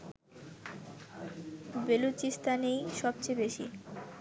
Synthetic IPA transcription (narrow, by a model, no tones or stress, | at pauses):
belut͡ɕist̪anejʃɔb̚t͡ɕejbeʃḭ